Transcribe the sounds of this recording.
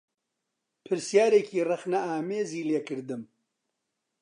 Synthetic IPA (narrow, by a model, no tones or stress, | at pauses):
pʰɨɾsjaːɾekiːrɐxnɐaːmeːziːleːkɨɾd̪ɨm